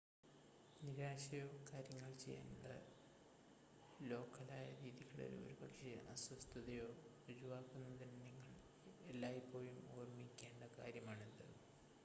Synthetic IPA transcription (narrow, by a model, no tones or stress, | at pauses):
niɾaːɕɐjo̞ːkaːɾjɐŋːɐɭt͡ɕe̞̰jːa̰ːnɖɐ | lo̞ːkːɐlaːjɐɾiːðiɣɐɭo̰lṵo̰ɾubɐkʂeʔɐswɐst̪ʰɐðɐjo̞ːʋɐd͡ʑuʋaːkːunːɐðinniŋːɐɭ | elːaːjpːo̞ːjumoːrmikʲːe̞ːɳɖɐkaːɾjɐmaːɳend̪ɐ̰